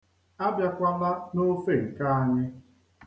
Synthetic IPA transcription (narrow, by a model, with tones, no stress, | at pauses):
a˦bja˦kʷa˦la˦no˦fe˦˨ŋ̩˨ka˦a˨ɲɪ˦